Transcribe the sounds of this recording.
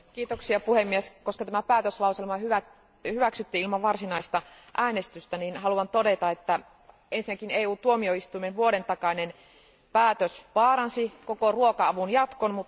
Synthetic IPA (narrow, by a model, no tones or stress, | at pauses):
kiːt̪oksiɑpuhemːieskoskɑt̪æmæpæːt̪øslɑuselmɑhyʋæ | hyʋæksyt̪ːiilmɑʋɑrsinɑist̪ɑʔæːnest̪yst̪æninhɑluɑnt̪odet̪ɑet̪ːæ | ensinækineːuːt̪uomioist̪uimenʋuoɾent̪ɑkɑnen | pæːt̪øsʋɑːɾɑnsikokoruokɑɑʋunjɑt̪konmut̪